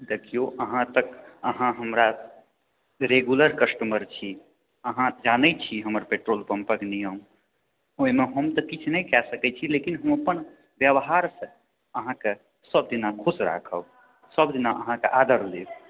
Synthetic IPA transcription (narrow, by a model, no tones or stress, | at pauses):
d̪ekʰijoʔəɦãt̪əkəɦãɦəmɾa | ɾeɡjuləɾkəsʈəməɾt͡ʃʰi | əɦãd͡ʒanɛt͡ʃʰiɦəməɾpeʈɾolpəmpəɡnijəm | oimeɦəmt̪əkit͡ʃʰnəjkɛsəkɛt͡ʃʰilekinɦəməpən | bjəbɦaɾsə̃ | əɦãke | səb̚d̪inakʰosɾa̰kʰəb | səbd̪inaʔəɦãkeʔad̪əɾleb